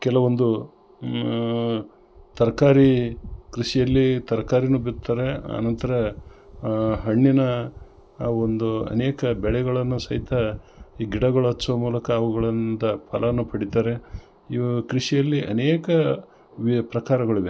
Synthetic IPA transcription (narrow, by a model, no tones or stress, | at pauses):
kɛlɐʋo̞nd̪u | t̪ɐɾkaːɾikɾiʃijɐlːit̪ɐɾɐkaːɾinubit̪ːaːɾe̞ɐ̰nɐnt̪ɐɾɐ | ɦɐɳːinɐ | ond̪uɐ̰neːkɐbɛɭɛɡɐɭɐnːusɐɦit̪ʰɐ | iːɡiɽɐɡɐɭɐɐsɐʋɐmuːlɐkɐːʋuɡɐɭɐnd̪ɐpʰɐlɐɐnːupɐɽit̪aːɾe̞ | ikɾiʂijɐlːiʔɐ̰neːkɐ | ʋipɾɐkaːɾɐɡɐɭiʋe